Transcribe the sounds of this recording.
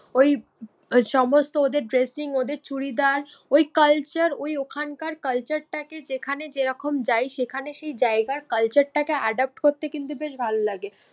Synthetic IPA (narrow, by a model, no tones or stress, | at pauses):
oj | ʃɔmost̪ood̪eɾɖɾesiŋod̪eɾt͡ɕuɽid̪aɾojkəlt͡ɕəɾojokʰankaɾkəlt͡ɕəɾʈaked͡ʑekʰaned͡ʑeɾɔkomd͡ʑajʃekʰaneʃejd͡ʑaeɡaɾkɐlt͡ɕəɾʈakeaɖap̚ʈkoɾt̪ːekint̪ubeʃbʱalolaɡe